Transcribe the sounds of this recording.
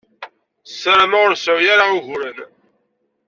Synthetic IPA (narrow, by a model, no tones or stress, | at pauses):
səɾmaʁʊɾsəʕjaɾauʝɾən